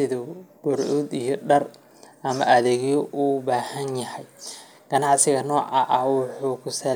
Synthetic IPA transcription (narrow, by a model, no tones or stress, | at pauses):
ɪðɔb̥ʊɾʕʊd̪ijɔɖɐr | ʔɐmɐʔɐðɛːɣjɔʔuːbaːhɐnjɐhɛj | ɡ̥ɐnɑʕsɪɣɐnɔːʕɑʔɐwʊħuːkʰʊsɐ